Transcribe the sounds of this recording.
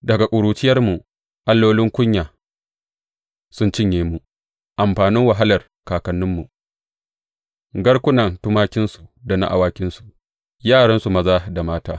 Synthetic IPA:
dɐ˨ɡa˨kʷʼʊ˨ɽuː˨t͡ʃɪ˦jɐ˦rmu˨ | ʔa˦lːoː˦lɪ˦ŋkʷʊ˦ɲjaː˨ | sʊ˦nt͡ʃɪ˦ɲjeː˨mu˨ | ʔa˨mɸaː˨nɪ˦ŋwa˨ɦa˦lɐ˨r | kaː˨kɐ˨nːʊ˦mːu˨ʔ | ɡɐ˦ɽkʷʊ˦nɐ˨ntʊ˦maː˦kʲɪ˦nsu˨da˨na̰˦ʔa̰˨waː˦kʲɪ˦nsu̥˨ʔ | jaː˦˨ɽɐ˦nsu˨mɐ˦zaː˦da˨maː˦taː˦

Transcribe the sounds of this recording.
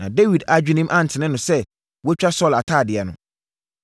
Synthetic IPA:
nã˨de˦wi˨da˨˦d͡ʑᶣi˦nĩ˦m˦ʔã˦n̩˨tʰɪ˨nɪ̃˦nʊ̃˨sɛ˦ | wɔ˦t͡ɕᶣa˦sɔ˦˨la˨tʰaː˦˨dɪ˨ɛ˨nʊ̰̃˨

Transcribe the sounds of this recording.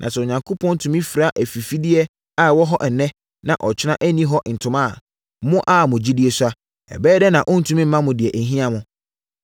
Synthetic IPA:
nʔã̰˨sɛ˨ɲã˨ŋkʰo˦pʰɔ̃˦n̩˦tʰũ˨mĩ˦fi˨ɾa˨˦ʔæ˨fi˨fi˦dɪ˦ɛ˦ | a˨wɔ˦ɦɔ˦ʔɛ˨nɛ̃˦ | nã˨ʔɔ˨t͡ɕʰɪ˦nã˦ʔæ˦nĩ˦ɦɔ˦n̩˨tʰʊ̃˦mã˦˨˦ | mʊ̃˦ʔa˦mʊ̃˨d͡ʑi˦dɪ˦ɛ˨sʊ˦a˦ | ɛ̰˨bɛː˦dɛ˦nã˨ʔʊ̃˦n̩˨tʰũ˨˦mĩ˦m̩ː˦mã˦mʊ̃˨dɪ˨ɛ˨ʔæ˨ɦĩ˦ã˦mʊ̃˨

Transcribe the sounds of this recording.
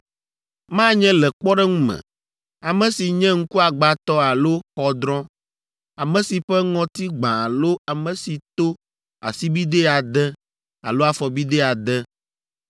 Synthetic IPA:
mã˦ɲɛ̃˦lɛ˨k͡pɔ˦ɖɛ˦ŋũ˦mɛ̰̃˨ | a˨mɛ̃˨si˨ɲɛ̃˦ŋ̩˦ku˦a˨ɡ͡ba˨t̪ɔ˦a˨lo˦xɔ˨d̪ɾɔ̃˦ | a˨mɛ̃˨si˨ɸɛ˦ŋɔ̃˨t̪i˦ɡ͡bã˨a˨lo˦a˨mɛ̃˨si˨t̪o˦ | a̰˨si˦bi˦d̪e˦a˨d̪ɛ˦ | a̰˨lo˦a˨fɔ˨bi˦d̪ɛ˦a˨d̪ɛ˦

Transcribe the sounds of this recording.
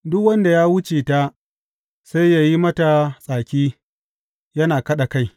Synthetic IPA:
dʊ˦kwɐ˦nda˨jaː˦wʊ˦t͡ʃeː˨ta˦ | sa˦jja˦˨ji˦mɐ˦ta˨sʼaː˨kʲiː˦ | jɐ˦naː˨kɐ˦ɗa˨ka˦j

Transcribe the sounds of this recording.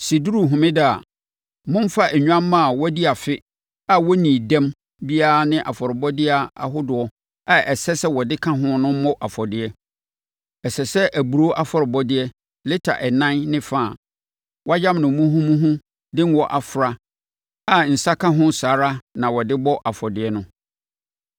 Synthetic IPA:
si˨du˦ɾu˨ɦʊ̃˨mɪ̃˦dɪ˨a̰˨ | mʊ̃˦m˦fa˦ʔɛ˨ɲᶣu˦ã˦mː˦ã˦˨wɔ˦di˦a˨fɪ˦ | a˨wɔ˦nĩ˨dɛ̃˦m | bi˦a˦a˨nɪ̃˦ʔa˨fɔ˨ɾɪ˨bɔ˦dɪ˦a˨a˨ɦʊ˦dʊ˨ɔ˦ | a˨ɛ˨sɛ˦sɛ˦wɔ˨dɪ˦kʰã˦ɦʊ̃˦nʊ̃˦m˦mɔ̃˦ʔa˨fɔ˨dɪ˦ɛ˦ | ɛ˨sɛ˨sɛ˦ʔæ˨bu˨ɾo˦ʔa˦fɔ˨ɾɪ˨bɔ˦dɪ˦ɛ˦ | lɪ˦tʰa̰˨ʔɛ˨nã˦nnɪ̃˦faː˦˨ | wʔɔ˦a˦d͡ʑã˦mnʊ̃˨mũ˦ɦũ˦mũ˦ɦũ˦ | dɪ̃˦n˦wɔ˨ʔa˨fɾa˨ | a˦˨n̩˨sa˦kʰã˦ɦʊ̃˦saː˨˦ɾa˦nã˨wɔ˨dɪ˦bɔ˦ʔa˨fɔ˨dɪ˨ɛ˦nʊ̃˦

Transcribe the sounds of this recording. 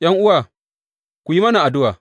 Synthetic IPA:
j̰ɐ˦ŋʔʊ˦waː˨ | kʷu˨ji˦mɐ˦na˨ʔa˨dʊ˦waː˨

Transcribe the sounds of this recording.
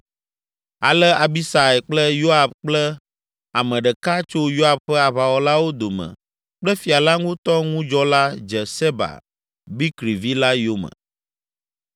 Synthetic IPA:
a̰˨lɛ˦a˨bi˦sa˨ɛ˨k͡plɛ˦jo˦a˨bk͡plɛ˦ | a˨mɛ̃˨ɖɛ˨ka˦t͡ʃo˦jo˦a˨bɸɛ˦a˨βa˨wɔ˦la˦wo˦d̪o˨mɛ̰̃˨ | k͡plɛ˦fi˨a˨la˦ŋũ˦t̪ɔ˦ŋũ˦d͡ʒɔ˦la˦d͡ʒɛ˨sɛ˦ba̰˨ | bi˦kɾi˨vi˦la˦jo˦mə̰̃˨

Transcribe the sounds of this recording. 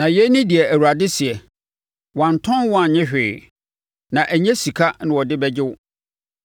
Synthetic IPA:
nã˨jɛ˦nĩ˦di˨ɛ˨æ˨wu˨ɾa˨dɪ˦sɪ˨ɛ˨ | wã˨n˨tʰɔ̃˦nwɔ̃˦a˨ɲɪ̃˦ɕᶣɪː˨ | nã˨ʔæ˨ɲɛ̃˦si˨kʰa˦nɪ̃˨wɔ˨dɪ˦bɛ˦d͡ʑɪ˦wʊ˦

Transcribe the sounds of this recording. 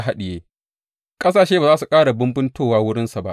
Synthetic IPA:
ɦa˦ɗɪ˨jeː˦ | kʼɐ˦saː˨ʃeː˦baː˨zaː˦su˨kʼaː˦ɽa˨bʊ˦mbɪ˦ntoː˦˨waː˦wʊ˦ɽɪ˦nsa˨ba˦ʔ

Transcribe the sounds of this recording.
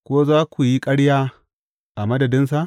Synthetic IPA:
kʷoː˦zaː˦kʷu˨ji˦kʼɐ˦ɽjaː˦ | ʔa˨mɐ˦dɐ˨dɪ˦ns̬a˨ʔ

